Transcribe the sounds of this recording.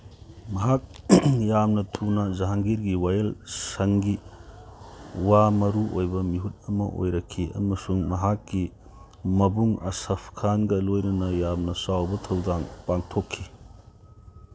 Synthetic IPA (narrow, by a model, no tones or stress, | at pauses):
mɐɦak̚jamnɐtʰunɐzɐɦaŋɡiɾɡiwajelsɐŋɡi | wamɐɾuʔojbɐmiɦut̚ɐmɐ̰ʔo̰jɾɐkʰːiɐ̰mɐsuŋmɐɦakːi | mɐbuŋɐ̰sɐpʰkʰanɡɐlojnɐnɐjamnɐsawbɐtʰɐwdaŋpaŋtʰokʰːi